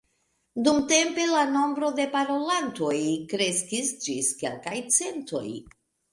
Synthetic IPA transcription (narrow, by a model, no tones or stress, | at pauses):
d̪umt̪empelanõ̞mbɾo̞d̪e̞paɾolant̪o̞jkɾeskisd͡ʒiskḛlkajt͡sent̪o̰j